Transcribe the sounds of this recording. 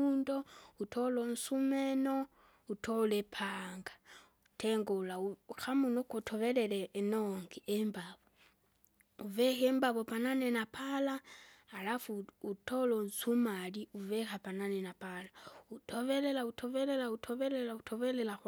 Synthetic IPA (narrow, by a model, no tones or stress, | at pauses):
undoutʰolonsumeno | utʰolepʰaŋɡḁ | utʰeŋɡolauxamunokotʰoβeleleːnoŋɡiʔembaβo | uvɛxembaβopananenapʰalaːlafuutʰolonsumaliuvexapananenapalautʰoβelelautʰoβelelautʰoβelelautʰoβelela